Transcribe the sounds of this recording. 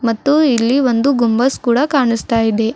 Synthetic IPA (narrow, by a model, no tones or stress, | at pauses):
mɐt̪ːuilːio̞nd̪uɡumbɐskuːɽɐkaːɳist̪aːjid̪e̞